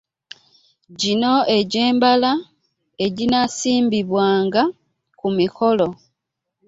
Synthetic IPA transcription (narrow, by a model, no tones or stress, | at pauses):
ɟino̞e̞ɟe̞ːmbala | e̞ɟinasiːmbiβwaːŋɡa | kumiko̞lo̞